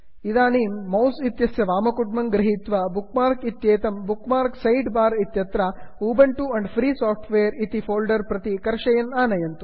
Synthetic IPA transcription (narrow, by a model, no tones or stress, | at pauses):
id̪aːniːmːɐwsit̪jɐsjɐʋaːmɐkuʈ̚mɐŋɡɾɐɦit̪ʋɐbukmaːɾkit̪jeːt̪ɐmbukmaːɾksɐjɖbaːɾit̪jɐt̪ɾɐuːbɐɳʈuɐɳɖpʰɾiːsaːpʰʈʰʋeːɐɾit̪ipʰoːlɖɐɾpɾɐt̪ikɐɾʃɐjɐnaːnɐjɐnt̪u